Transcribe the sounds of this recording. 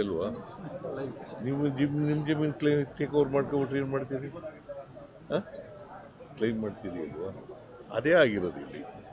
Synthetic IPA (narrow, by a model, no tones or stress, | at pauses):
ɐlʋaː | nimd͡ʒimnimd͡ʒɐmiːnklejmt̪eːkɐʋɾmaːɽkɐbɐʈɾenmaːɽt̪iːɾi | aː | klejmːaːɖt̪iːɾiɐ̰lʋaː | ɐ̰d̪e̞ːaːɡiɾod̪uḭlːḭ